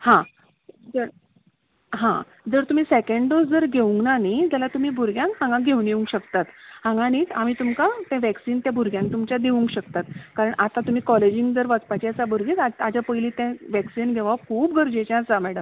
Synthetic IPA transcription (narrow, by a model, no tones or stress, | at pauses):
hã | d͡zəɾ | ɦã | d͡zəɾt̪um̤iːsekəɳɖɖosd͡zəɾɡʱeʋuŋɡnanid͡ʑjalat̪um̤iːbʱuɾɡjãŋkɦãŋɡãɡʱeunjeũŋkɕəkt̪at̪hãŋɡaniːt͡sam̤iːt̪umkat̪ɛ̃ʋɛksiːnt̪jãbʱuɾɡʱjãŋk̚t̪umt͡ɕjad̪eʋũŋkɕəkt̪at̪kaɾəɳʔat̪ãt̪um̤iːkɔled͡ʑiŋɡd͡zəɾʋat͡spat͡ɕiasabʱuɾɡit͡saad͡ʑapəjliːt̪ɛ̃ʋɛksinɡʱeʋaʋkʰuːpɡʱəɾd͡ʑet͡ɕãsamɛɽəm